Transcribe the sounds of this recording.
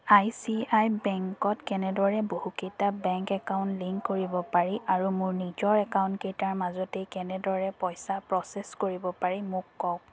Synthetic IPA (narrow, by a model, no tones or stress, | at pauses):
ajsiajbɛŋkɔtkɛnɛdɔɹɛbohukejtabɛŋkɛkaʊ̃ntliŋkkːoɹibɔpaɹiʔaɹumʊɹnizɔɹɛkaʊ̃ntkejtaɹmazɔtejkɛnɛdɔɹɛpɔjsapɹɔseskoɹibɔpaɹimʊkːɔw